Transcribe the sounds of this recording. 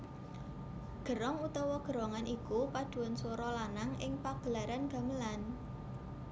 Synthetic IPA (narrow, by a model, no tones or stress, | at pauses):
ɡ̥ə̤ɾɔŋut̪ɔwɔɡ̥ə̤ɾɔŋanʔikupad̪̥ṳwansoɾɔlanaŋɪŋpaɡ̥əlaɾanɡ̥a̤məlan